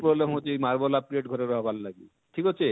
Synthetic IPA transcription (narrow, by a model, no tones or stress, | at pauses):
pɾoblemɦot̪ijmaɾbɔlap̚ieʈɡʱɔɾeɾɔɦɔbʱallaɡi | ʈʰikɔt͡ʃʰe